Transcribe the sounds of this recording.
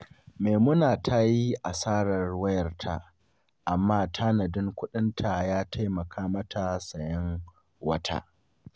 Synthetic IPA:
meː˨mʊ˦naː˨tʰa˦ji˦ʔa˨saː˦ɽɐ˨rwɐ˦jɐ˨rtʰa̰˦ʔ | ʔa˨mːaː˦tʰa˦nɐ˨dɪ˦ŋkʷʊ˦ɗɪ˦ntʰa˨jaː˦tʰa˦jmɐ˨kʰaː˦mɐ˦tʰa˨sɐ˨jɐ˦ŋ | wɐ˦tʰa̰˦ʔ

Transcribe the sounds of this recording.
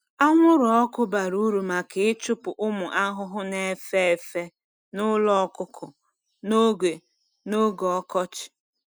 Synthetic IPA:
a˦ŋʷʊ˦ɾɔ˨ɔ˦kʊ˦ba˨ɾu˦ɾu˨ma˨ke˨ɪ˦t͡ʃʊ˦pʊ˨ʔʊ˦mʊ˨ʔa˦ɦʊ˦ɦʊ˦ne˨e˦fe˦e˨fe˦ | nʊ˦lɔ˦kʊ˦kʰʊ˨ | no˦ɡe˨ | no˦ɡɔ˨ɔ˦kɔ˦t͡ʃɪ̥˨

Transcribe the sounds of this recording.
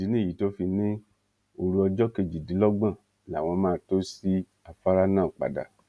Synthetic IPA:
i˨˦nĩ˦˨ji˨to˦fi˧nĩ˦ | o˨ɾu˦ɔ˧d͡ʒɔ˦ke˧d͡ʒi˨di˨˦lɔ˦ɡ͡bã˦˨ | la˨w̃ɔ̃˧˦mãː˦˨to˦si˦ | a˨fa˦ɾa˦nã˦˨k͡pa̰˨da̰˨

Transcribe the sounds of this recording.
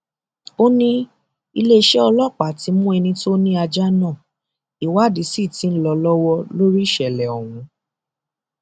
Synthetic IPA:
o˦nĩ˦ | i˧le˦˧ʃɛ˦ɔ˧lɔ˦˨k͡pa˨ti˨˧˦mũ˦ɛ˧nĩ˧to˦nĩ˦a˧d͡ʒa˦nã˦˨ | i˨wa˦˨di˨˦si˦˨ti˨˦n̩˦lɔ˧lɔ˦wɔ˦lo˦ɾi˦ʃɛ˨lɛ˨ɔ˨w̃ũ˨˦

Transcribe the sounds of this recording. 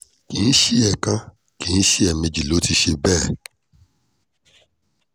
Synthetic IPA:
ki˨n̩˦ʃi˦ɛ˨kã˧ | ki˨n̩˦ʃi˦ɛ˨me˧d͡ʒi˨lo˨˦ti˧ʃe˧bɛː˦˨

